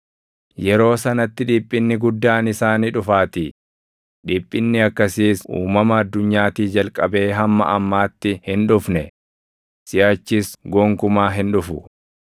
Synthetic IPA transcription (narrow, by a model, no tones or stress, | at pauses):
jɛɾo̞ːsɐnɐt̪ːɪᶑɪːpʼːɪnːɪɡʊd̪ːaːnɪsaːniːᶑʊfaːt̪i | ᶑɪːpʼːɪnːɪɐkːɐsiːsṵːmɐmɐːd̪ːʊɲːaːt̪iːd͡ʒɐlkʼɐbe̞ːɦɐmːɐ̰ʔɐmːaːt̪ːɪhɪnᶑʊfnɛ | sɪjaːt͡ʃːɪsɡɔːŋkʊmaːɦɪnᶑʊfʊ